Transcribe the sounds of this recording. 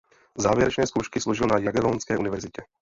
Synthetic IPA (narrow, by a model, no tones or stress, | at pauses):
zaːvjɛɾɛt͡ʃnɛːskowʃkɪsloʒɪlnajaɡɛlonskɛːʔunɪvɛɾzɪcɛ